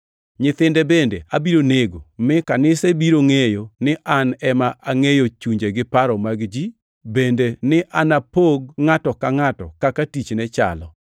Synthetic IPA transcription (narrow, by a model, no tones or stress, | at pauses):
ɲɪt̪ɪndɛbendeabiɾoneɡomɪkanɪsebiɾoŋejonɪʔanɛmaʔaŋejot͡ʃuɲd͡ʒeɡɪpaɾɔmaɡd͡ʒi | bendenɪʔanapoɡŋatɔkaŋatɔ̰kakatit͡ʃnɛt͡ʃa̰lɔ